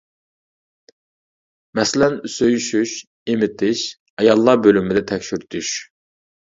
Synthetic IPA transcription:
mɛslɛnysøjyʃyʃ | imɪt̪ʰɪʃ | ɑjɑlˠːɑbølymid̪ɛt̪ʰɛkʲʃyɾt̪ʰyʃ

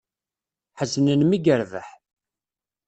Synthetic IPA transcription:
ħəznənmiɡəɾðə̰ħ

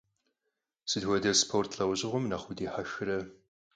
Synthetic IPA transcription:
sɨdɦʷɔdɐspʰortʰɬɐwʑɪʁʷʊmnɐχʷʊdeːħaxɨrɐ

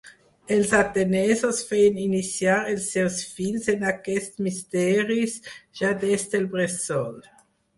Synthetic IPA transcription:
elsat̪enɛzosfeninisjaɾelsewsfilsenakɛstmist̪ɛːɾisʒ̥ad̪esd̪elbɾesɔl

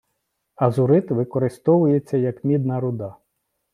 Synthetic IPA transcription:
ɐzʊɾɪt̪ʋɪkɔɾɪst̪ɔʋʊjet͡sʲːɐjɐkmʲid̪nɐɾʊd̪ɑ

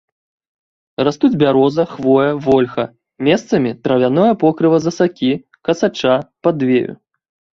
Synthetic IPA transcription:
rast̪ud͡zʲbʲaɾɔzɐxvɔjɐvɔlʲxɐ | mʲɛst̪sɐmʲit̪ɾɐvʲanɔjɐpɔkɾɨvɐzɐsakʲi | kɐsat͡ʂapad̪vʲejṵ

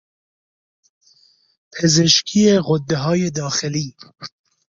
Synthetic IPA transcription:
pʰe̞zeʃkʰiːeɣod̪ːeɦɒːjed̪ɒːxeliː

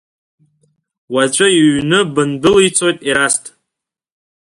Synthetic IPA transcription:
wat͡ʃʷʼɨiɥnɨbɨndɨlijt͡sʰo̞jtʼiɾastʼ

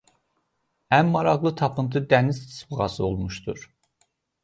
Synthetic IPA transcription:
ænmɑɾɑɣlˠɯt̪ʰɑpʰɯnt̪ʰɯd̪ænizt̪ʰi̥sbʁɑ̰sɯo̞lˠmuʃt̪ṵɾ̥

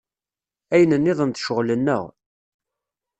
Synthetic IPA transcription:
æjənənːɪðˤənt̪ʃəʁlənːə̰ʁ

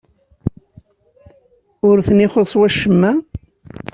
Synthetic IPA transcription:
ʊɾθənɪχosˤwæʃːəmːæ

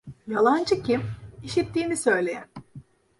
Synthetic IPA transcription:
jalˠand͡ʒɯcʰimiʃit̪ʰːiːnisø̞jlʲe̞jæn

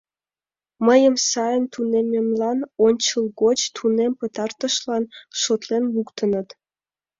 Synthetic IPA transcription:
məjəmsɑjənt̪unememlɑnonʲt͡ɕəlɡot͡ɕt̪ʰunempət̪ɑrt̪əʃlɑnʃot̪lenlukt̪ənət̪

